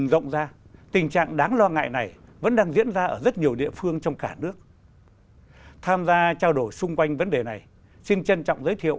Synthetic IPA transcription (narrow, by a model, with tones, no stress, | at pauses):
ŋzə̰˧˨wŋ͡mzaː˧t̪ï˨˩ŋ̟t͡ɕa̰ː˧˨ŋɗaː˨˦ŋlɔ˧ŋa̰ː˧˨jna˨˩jvə̰˧˥nɗaː˧ŋzḭ˧˥ənzaː˧ʔəː˧˩zə˦˥t̚ɲi˨˩əwɗḭ˧˨əfɨ˧əŋt͡ɕɔ˧wŋ͡mkaː˧˩nɨ˦˥ək̚ | t̪ʰaː˧mzaː˧t͡ɕaː˧wɗo˧˩jsʊ˧ŋ͡mkwa˧jŋ̟və˨˦nɗe˨˩na˨˩j | si˧nt͡ɕə˧nt͡ɕɔ̰˧˨wŋ͡mzəː˨˦jt̪ʰḭ˧˨ə˨